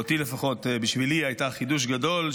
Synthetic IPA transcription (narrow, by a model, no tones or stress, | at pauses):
ot̪ilefaχot̪biʃviliajtaχiduʃ̬ɡadol